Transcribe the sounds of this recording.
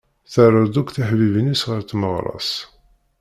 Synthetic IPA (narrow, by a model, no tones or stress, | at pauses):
θərˤːəɾd̪ukθæħvivənisʁəɾt̪məʁɾˤɑ̰s